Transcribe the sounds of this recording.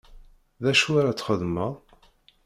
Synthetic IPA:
ðæʃuaɾat͡sːχəðmæ

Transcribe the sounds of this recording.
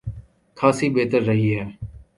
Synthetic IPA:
kʰaːsiːbeːt̪əɾːəɦiːɦɛː

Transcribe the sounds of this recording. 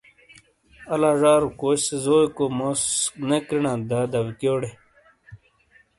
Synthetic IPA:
ɐlaːʐaːɾukoːɕsezoːikoːmosnekɾinãːd̪ad̪ɐwkjoːɽe

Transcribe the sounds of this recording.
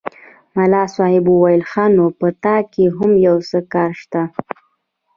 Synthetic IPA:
malɑsɑhɪbuwajɪlxɑnopət̪ɑkeɦʊmjawsəkɑɾʃt̪a

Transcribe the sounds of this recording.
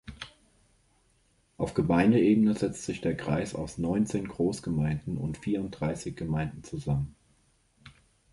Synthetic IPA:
ʔaʊfɡ̥əmaɪndəeːbənəzɛt͡stz̥ɪçd̥eːɐɡʁ̥aɪsa̰ʊsnɔʏnt͡seːnɡʁoːsɡ̥əmaɪndn̩ʊ̰ntfiːɐʊnt̚d̥ʁ̥aɪsɪçɡ̥əmaɪndn̩t͡suzamən

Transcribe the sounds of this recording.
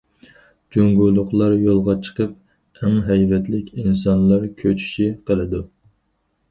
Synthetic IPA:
d͡ʒoŋɡulˠːʊχlˠɑɾjolˠʁɑt͡ʃʰə̥qəp̚ | ɛmɦɛjvɛt̪lɪkʲʰins̬ɑnlˠɑɾkʲʰøt͡ʃʰy̥ʃiqʰəlˠɨd̪u

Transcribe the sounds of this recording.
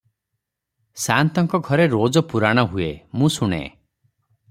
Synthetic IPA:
sant̪ɔŋkɔɡʱɔɾeɾod͡ʒɔpuɾaɽ̃ɔɦuemũsuɽ̃ḛ

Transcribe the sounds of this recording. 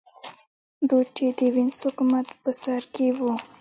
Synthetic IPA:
d̪ut͡ʃed̪əwɪnshʊkumat̪pəsaɾkewu

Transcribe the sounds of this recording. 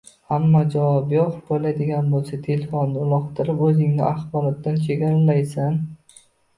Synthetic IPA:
hamːad͡ʒavɒbjɒχbolad̪ɪɡʲanbolˠsat̪ʰe̞lefonːɪʊlˠɒqt̪ʰɪɾɪpɵzɪŋnɪʔaχbɒɾɒt̪ːant͡ʃʰe̞ɡʲaɾalajsan

